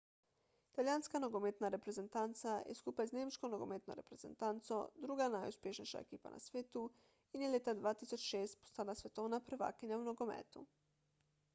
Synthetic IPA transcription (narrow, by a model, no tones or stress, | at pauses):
it̪aljaːnskanoɡomeːt̪naɾepɾeze̞nt̪ant̪sajḛskupazneːmʃkonoɡo̰meːt̪no̰ɾe̞pɾez̥ḛnt̪ant̪sod̪ɾuɡanajuspʲjeʃniʃa̰ḛkiːpa̰nʔa̰sʋeːt̪u | ineljet̪ad̪ʋaːt̪isot͡ʃʃeːst̪po̥st̪aːd̪asʋe̞t̪oːnapɾeʋa̰ːkeɲaumnoɡomḛːt̪u